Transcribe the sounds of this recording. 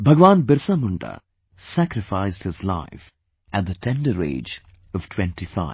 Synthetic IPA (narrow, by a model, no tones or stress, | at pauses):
bʱʌɡʋãːnbɪɾsamʊ̃ɳʈə̰ | sækɾɪfaɪzdhɪzla̰ɪf | ʔæt̚d̪ətʰɛ̃nɖəɾḛːd͡ʒ | ʌv̥ʈʰwɛ̃nʈifa̰ɪ̥